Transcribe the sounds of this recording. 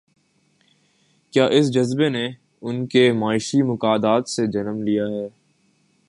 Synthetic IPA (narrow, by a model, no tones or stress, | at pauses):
kjaːʔɪs̬d͡ʒɐzbene | ʊnkemaːɪʃimʊkaːd̪aːt̪sed͡ʒɐnəmlijaɦɛː